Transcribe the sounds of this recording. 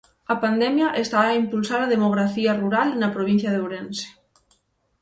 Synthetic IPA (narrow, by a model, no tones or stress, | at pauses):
ɐpand̪ɛmjaʔest̪aːimpulsaɾaðemoɣ̞ɾaθiaruɾalnɐpɾoβ̞in̟θjɐðeoɾense̥